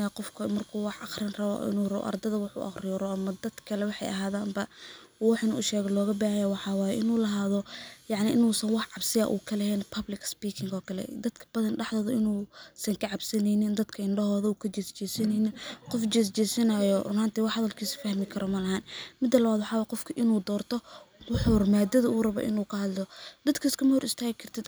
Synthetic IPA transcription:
qɔfkʰɐmɐrkʰuːwɑħɑχrɪnrɐβɔ̰ʔɪ̰nuːrɐβɔ̰ʔɐ̰rd̪ɐðɐwɑħṵʔɑ̰χrɪjɔrɔʔɐmɐd̪ɐd̪̥kʰɐlɛwɑħɑ̰jʔɐ̰ɦaːðaːmbɐwɑħɪnʊʃɛːɣɛlɔːɣɐbaːhɐjɛwɑħɑːwaːjɛʔɪnuːlɐɦaːðɔjɑʕnɪʔɪnuːsɐnwɑħʕɑbsɪɐ̰ʔṵːkʰɐlɛhɛːnpʰɐblɪkspiːkʰɪŋɡɔːkʰɐlɛ̰d̪ɐd̪kʰɐ̥b̥ɐðɐnɖɑħðɔːðɐɪnuːsɐŋkʰɐʕɑbsɐnɛjnɪnd̪ɐd̪kʰɐɪɳɖɐɦɔːðɐːkʰɐt͡ʃɛst͡ʃɛːsɐnɛnɪnqɔft͡ʃɛːs̬t͡ʃɛːsɐnɐjɔmaːnt̪ɛwɑħhɐðɐlkʰiːsfɐhmɪkʰɐɾɔmɐlɐhaːnmɪd̪ːɐlɐβaːd̪wɑħɑːwaːjqɔfkʰɐʔɪnuːd̪ɔːrt̪ʰɔwʊħurmaːd̪ɐðɐuːrɐβɔ̰ːʔɪ̰nuːkʰɐhɐd̪lɔd̪ɐd̪kʰiɪskʰɐmɐhʊɾɪst̪ʰaːɣɪkʰɐrt̪ʰɪd̪

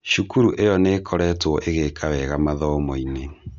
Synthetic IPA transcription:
ʃukuɾuʔejɔnekʰɔɾɛtwɔʔeɣekʰawɛɣamaðɔmɔine

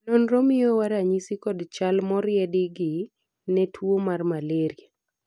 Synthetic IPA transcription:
nɔnɾɔmɪjowaɾaɲisikɔdt͡ʃalmɔɾɪɛdɪɡɪ | nɛtʰwomarmaleɾja

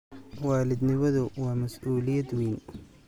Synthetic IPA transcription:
waːlɪd̪nɪmɐðʊwɑːmɐsʔuːlɪjɐd̪wiːn

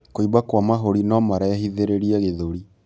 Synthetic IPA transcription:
koiβakwamaɦoɾinɔmaɾajahiðeɾeɾiɛɣeðoɾi

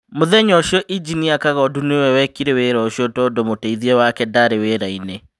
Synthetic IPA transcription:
moðɛɲɔʃiɔʔid͡ʒiniakaɣɔdunewɛwɛkiɾeweɾɔʃiɔtɔdomoteiðiɛwakɛdaɾeweːɾaine

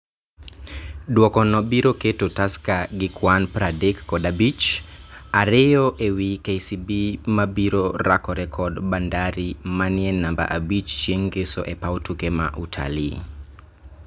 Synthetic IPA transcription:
dwɔkɔnɔbiɾɔketotaskaɡikʰwanpɾadɛkːɔdabit͡ʃ | aɾeɔʔewikɛjsibimabiɾɔɾakɔɾɛkʰɔdbandaɾimaniɛlnːamba̰ʔabit͡ʃt͡ʃeŋɡesɔ̰ʔɛpawtukɛma̰ʔutʰa̰lḭː

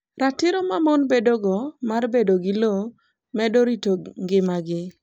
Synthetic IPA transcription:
ratɪɾomamonbedoɡɔmarbedoɡɪlo | mɛdoɾitoŋɡɪmaɡɪ

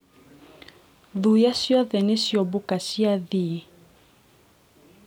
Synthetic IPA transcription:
ðujasjɔðɛnesjɔbokasiaði

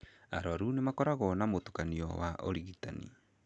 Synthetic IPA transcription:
aɾɔɾunemakɔɾaɣɔnamotu̥kaniɔ̰waʔo̰ɾiɣitanḭ

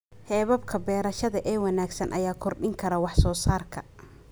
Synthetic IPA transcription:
hɛːβɐbkʰɐbɛːɾɐʃɐðɐʔɛːwɑnaːɡsɐnʔɐjaːkʰɔrɗɪŋkʰɐɾɐwɑħsɔːsaːrkʰɐ

